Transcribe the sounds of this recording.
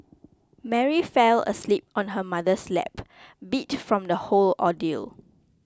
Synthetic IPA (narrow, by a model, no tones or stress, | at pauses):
mɛɹifɛlə̰slip̚ɔ̃nɦəmadəslɛ̰pbitfɹɔ̃mdəholɔdil